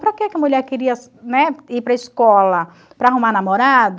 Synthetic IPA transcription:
pɾɐkɪɛkɪɐmuʎɛɾkeɾiɐs | nɛipɾɐiskɔlɐ | pɾɐaɦumaɾnamoɾad̪ɐ

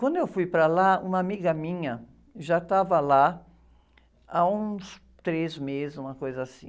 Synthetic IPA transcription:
kwɐ̃nd̪ʊewfujpɾɐlaṵ̃mɐamiɡɐmĩɲɐ | ʒat̪avɐla | aũs | t̪ɾezmezɪzũmɐkojzɐasḭ̃

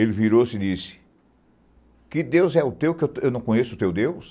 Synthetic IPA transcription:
elɪviɾosɪd̪isɪ̥ | kɪd̪ewzɛʊt̪ewkɪew̪ewnɐ̃w̃kõɲesʊːt̪ewd̪ews

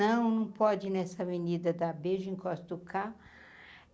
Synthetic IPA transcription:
ɐ̃w̃nɐ̃w̃pɔd͡ʒɪnɛsɐvenid̪ɐd̪abeʒĩkɔst̪ukʰa

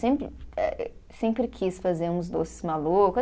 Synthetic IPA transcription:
sẽmpɾɪ̰ɛ̰sẽmpɾɪkʰisfazeɾũzd̪osɪ̥zmalokʊ

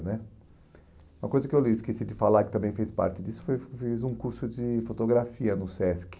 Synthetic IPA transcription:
nɛ | ũmɐkojzɐkɪewliɪskesid͡ʒɪfalaɾkɪt̪ɐ̃mbẽj̃fespa̰ɾt͡ʃɪd͡ʒisʊ̥fojfizũkuɾsʊd͡ʒɪfot̪oɡɾafiɐnʊsɛsk

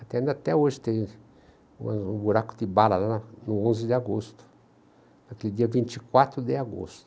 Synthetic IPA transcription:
at̪ɛĩnd̪at̪ɛoʒɪt̪ẽ | ṵ̃ɐũbuɾakʊd̪ɪbalalaanʊõnzɪd̪ɪaɡost̪ʊ̥ | nakelɪd̪iɐvĩnt͡ʃ̪ikwat̪ɾʊd̪ɪaɡo̰st̪ʊ̥

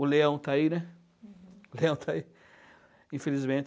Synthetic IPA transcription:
ʊleɐ̃w̃t̪ainɛ | ʊleɐ̃w̃t̪ʰai | ĩfelizmẽt͡ʃ

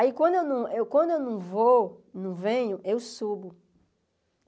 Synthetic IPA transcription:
aikwɐ̃nd̪ʊewnɐ̃w̃ewkwɐ̃nd̪ʊewnɐ̃w̃vonũvẽɲʊʔewsubʊ

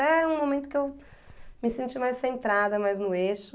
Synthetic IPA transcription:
ɛũmõmẽnt̪ʊ̥kew | mɪsẽnt͡ʃimajssẽnt̪ɾad̪ɐmajznʊeʃʊ

